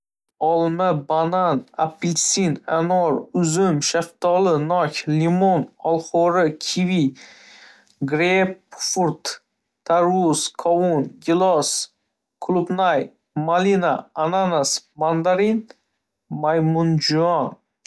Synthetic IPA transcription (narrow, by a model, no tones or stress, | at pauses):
ɒlˠmɪbananapʰːilsinanɔɾʊzʊmʃaft̪ʰɒlɪnɒkʲlimonɒlˠχɔɾɪkʲʰivi | ɡɾepfuɾt̪ | t̪ʰaɾuskʰɒunɡʲɪlˠɒs | kʰlˠʊbnaj | malinaːnanasmand̪aɾin | majmʊnd͡ʒʊɒn